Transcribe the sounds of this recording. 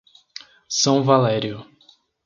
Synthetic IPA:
sɐ̃w̃valɛɾiʊ

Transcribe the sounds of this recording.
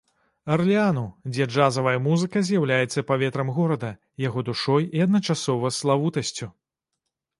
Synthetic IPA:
ɐrlʲianud͡zʲɛd͡ʐazɐvɐjɐmuzɨkɐzʲjawlʲajɛt̪sːɐpavʲɛt̪ɾɐmɣɔɾɐd̪ɐ | jaɣɔd̪uʂɔjiɐd̪nɐt͡ʂasɔvɐslˠavut̪ɐsʲt͡sʲu

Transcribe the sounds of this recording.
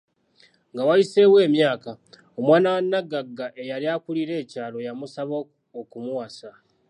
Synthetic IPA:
ŋɡawaise̞ːwe̞ːmjaːka | omwaːnawanːaɡaɡːaʔe̞jaɾiakuliɾe̞ːcaːlo̞jamusaβo | okumuwasa

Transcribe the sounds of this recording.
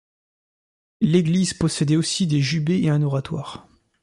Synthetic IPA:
leɡlizpɔsɛd̪ɛosid̪eʒybeeɛ̃nɔʁat̪wa̰ːʁ

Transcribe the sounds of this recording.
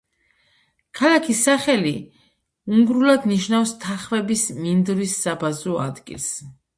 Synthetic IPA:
kʰalakʰisːaχɛli | uŋɡɾulad̪niʃnafst̪ʰaχvɛbismind̪ɾwisːabazɔa̰d̪ɡḭlˠs

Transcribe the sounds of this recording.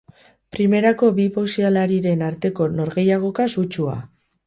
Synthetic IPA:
pɾime̞ɾako̞bipo̞sialaɾiɾe̞naɾt̪e̞ko̞no̞ɾɣe̞jaɣ̞o̞kasut͡ʃua̰

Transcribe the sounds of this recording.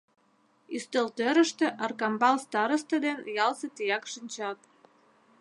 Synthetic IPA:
yst̪əlt̪øɾə̆ʃt̪ĕʔɑrkɑmbɑlst̪ɑɾəst̪ə̆d̪enjɑlset̪ijɑkʃinʲt͡ɕɑt̪

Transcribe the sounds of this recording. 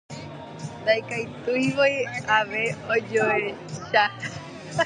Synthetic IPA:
d̪ajkajt̪ujʋojaʋeod͡ʒoe | ʃa

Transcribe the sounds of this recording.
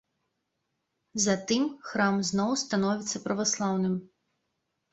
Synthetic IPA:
zat̪ɨmxɾamznɔwst̪anɔvʲit̪sːɐpɾɐvaslˠawnɨm

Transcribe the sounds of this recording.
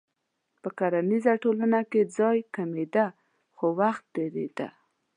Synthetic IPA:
pəkaɾanizaʈolanaked͡zɑjkamed̪a | xowaxt̪̚d̪eɾḛd̪a̰

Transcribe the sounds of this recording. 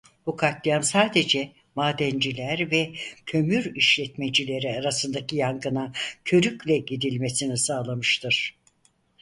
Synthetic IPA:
bukʰat̪lijamsaːd̪e̞d͡ʒɛ | maːd̪ɛnd͡ʒilʲæɾvɛcʰø̞myɾiʃlʲɛt̪med͡ʒilʲe̞ɾiaɾasɯnd̪acʰijaŋɡɯnacʰø̞ɾyclʲɛɟid̪ilʲme̞sinisaːlˠamɯʃt̪ʰɯɾ̥

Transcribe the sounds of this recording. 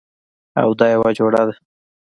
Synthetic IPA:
a̰wd̪ɑjawɑd͡ʒoɽad̪a

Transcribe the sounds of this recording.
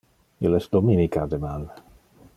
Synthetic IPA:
ilɛsd̪ominikad̪emal

